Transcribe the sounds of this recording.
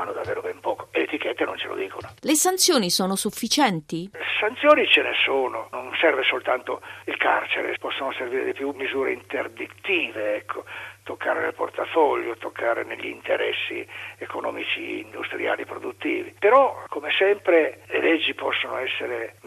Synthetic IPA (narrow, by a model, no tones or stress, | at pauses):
anːod̪avːeːɾobɛmpɔːko̥elet̪ik̟ɛt̪ːenont͡ʃelʔo̰d̪iːkonolesant̪sjoːnisoːnosufːit͡ʃɛnt̪isant̪sjoːnit͡ʃenesoːnononsɛrvesolt̪ant̪oilka̰rt͡ʃeɾḛpɔsːonoserviːɾed̪ipjumːizuːɾḛint̪erd̪it̪ːiːveɛkʰːot̪okːaːɾenḛlpo̰rt̪afɔʎːot̪okʰːaːɾḛneʎːint̪eɾɛ̰sːḭekonɔ̰ːmit͡ʃḭind̪ust̪ɾija̰ːlipɾod̪ut̪ːiːvipeɾɔkʰomesɛmpɾelelɛd͡ʒːipɔsːono̰ɛsːeɾe